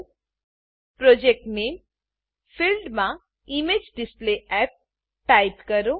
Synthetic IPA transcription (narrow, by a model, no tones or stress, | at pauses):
pɾod͡ʒek̚ʈne | fʰilɖmã | imed͡ʒɖispleɛp̚ | ʈajʈkəɾo